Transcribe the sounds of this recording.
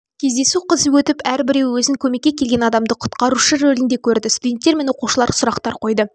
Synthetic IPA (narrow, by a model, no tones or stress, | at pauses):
kʲʰe̞zd̪e̞suqʰəzwɵt̪ɪpæɾbɪɾe̞wwɵzɪŋkʲʰɵme̞kʲːekʲʰe̞lɡʲe̞nɑd̪ɑmd̪əqʰʊ̥t̪qɑɾuʃəɾɵlɪnd̪e̞kʲʰɵɾd̪ɪst̪ud̪ʲe̞nt̪ːe̞ɾme̞nwo̞quʃəlˠɑɾsʊɾɑqt̪ɑɾqʰo̞jd̪ə